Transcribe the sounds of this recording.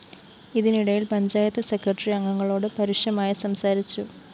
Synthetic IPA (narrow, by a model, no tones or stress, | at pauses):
iðiniɽɐjilpɐɲd͡ʑaːjɐt̪ːɨse̞krɐʈːɐriɐŋːɐŋːɐɭo̞ːɽɨpɐɾiʂjɐmaːjɐsɐmsaːɾit͡ɕːu